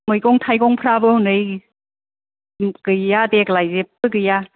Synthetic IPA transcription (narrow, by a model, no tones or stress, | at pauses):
mɯjɡɔŋtʰajkɔŋpʰɾabɯhunɯj | ɡɯjadeklajzep̚ɯɡɯja